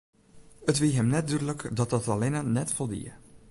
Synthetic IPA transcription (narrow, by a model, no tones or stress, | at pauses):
ətʋiɦɛmnɛt̚dydələkdɑt̚dɑtɑlenanɛtfɔlˠdḭə̰